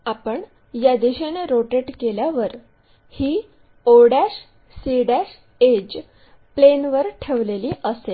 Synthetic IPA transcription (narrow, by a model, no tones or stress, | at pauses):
apəɳ | jad̪iɕeneɾoʈeʈkeljaʋəɾ | hiː | oɽaɕ | siɽaɕ | ed͡ʑ | plenʋəɾʈʰeʋleliːʔəse